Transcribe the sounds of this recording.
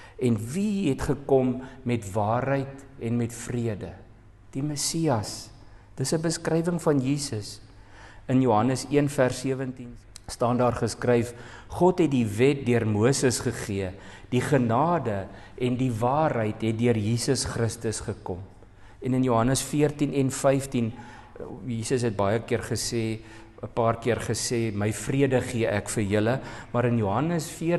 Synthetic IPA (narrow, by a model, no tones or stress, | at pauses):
ɛnviɦɛtχəkɔmːɛtvɑːrɦəjtɛnmɛtfriədə | d̥iməsiɐs | d̥əsəbəskrɛjvəŋfɐnjiːsəs | ənjuɦɐnəsiənfærsːiəvəntin | stɑːndɑːrχəskrɛjfχɔtɦɛt̚divɛt̚døərmuəsəsχəχiəd̥iχənɑːdə | ɛndivɑːrɦəjtɦɛt̚dyərjiːsəsχrəstəsχəkɔm | ɛnənjuɦɐnəsfiərtinɛnfɛjftin | jiːsəsɦɛt̚bɐjəkiərχəseː | əpɑːrkiərχəseːməjfriədəχiəʔækfərjələmɐɾənjuɦɐnəsfiə